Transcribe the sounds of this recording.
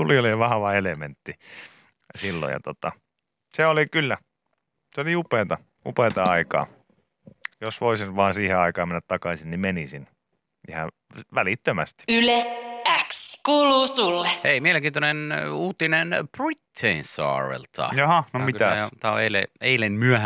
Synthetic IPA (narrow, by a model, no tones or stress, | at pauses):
t̪ulioliɑʋɑhɑʋɑelement̪ːi | silːo̰jɑ̰t̪ot̪ɑ | seolikylːæ | seoliupeːˑt̪ɑ | ṵpeːˑt̪ɑɑikɑ̰ː | josʋoisinʋɑːnsiːheɑikɑːmenːæt̪t̪ɑkɑsinnimenisin | ḭhɑ | ʋælit̪ːømæst̪i̥yleækskuːluːsulːeheimieleŋkiːnt̪ønenuːt̪inenprit̪ʰːeinsɑ̰ːrḛlt̪ʰɑ̰jɑhɑnomikt̪æsot̪æo̰eilḛeilenmyæhæ